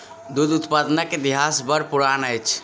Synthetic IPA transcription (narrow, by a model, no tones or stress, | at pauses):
d̪ud̪ut̪pad̪naked̪iɦasbəɾpuɾanəjt͡ʃʰ